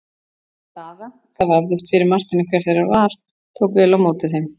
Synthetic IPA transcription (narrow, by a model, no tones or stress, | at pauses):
θaːða | θavavðɪst̪fɪɾɪɾmar̥t̪ɪnɪkʰvɛɾ̥θejɾaɾvaɾ̥ | t̪ʰoːwkvɛːlawmoːt̪ɪθejm